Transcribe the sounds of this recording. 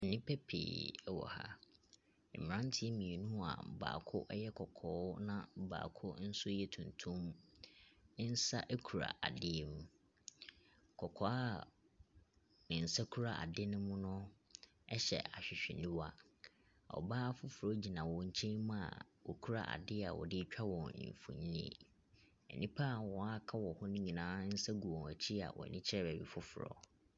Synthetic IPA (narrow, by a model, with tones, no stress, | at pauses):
n̩˨nɪ̃˦pʰɛ˦pʰḛː˨ɛ˦wɔ̰˨ha̰˦ | m̩˨mɪ̃˨ɾã˦ntʰɪ˨˦mĩ˨e˨nũ˦a̰˨ba̰ː˨kʰʊ˦ʔɛ˦jɛ˦kʰɔ˨kʰɔː˨˦nã˦˨ba̰ː˨kʰʊ˦n̩˦sʊ˦jɛ˦tʰũ˨ntʰũ˦m | ɪ˦n̩˦sa̰˦ʔɛ˦kʰu˨ɾa̰˨ʔa˨dɪ˦ɛ˨mũ˨ | kʰɔ˨kʰɔ˨˦a˦ | nɪ̃˨n̩˨sa˦kʰu˦ɾa˨ʔa̰˨dɪ˦nʊ̃˦mʊ̃˦nʊ̃˦ | ɛ˦ɕɛ̰˨a˨ɕᶣɪ˨ɕᶣɪ˨nĩ˦wa˦˨ | ɔ̰˨baː˦fʊ˦fʊ˨ɾɔ˦d͡ʑi˨nã˨wɔ̃˨ɲ̩˨t͡ɕʰẽ˦mʊ̃˦a̰˨wɔ˨kʰu˦ɾa̰˦˨ʔa̰˨dɪ˦a̰˨wɔ̰˨dɪ˦t͡ɕᶣʰa˦wɔ̃˨nɪ̰̃˨ɱ˨fṵ˨ɲĩ˦nḛ˨ | ɛ̰˨nʔĩ˦pʰa˦˨wɔ̃˨a˦kʰa˦wɔ˨hʊ˦nʊ̃˦ɲĩ˨nãː˨˦n̩˦sa˦ɡu˨wɔ̃˨æ˨t͡ɕʰi˦a̰˨wʔɔ̰˨nʔɪ̰̃˦t͡ɕʰɪ˦ɛ˦bæ˨bi˨fʊ˦fʊ˨ɾɔ̰˦